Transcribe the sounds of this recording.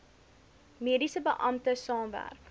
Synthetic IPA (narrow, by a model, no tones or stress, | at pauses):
miədisəbəʔɐmtəsɑːmvæ̰rk